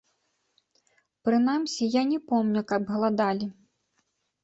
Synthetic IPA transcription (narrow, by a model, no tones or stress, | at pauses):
pɾɨn̪amsʲijanʲɛpɔmnʲukɐbɣlˠad̪alʲi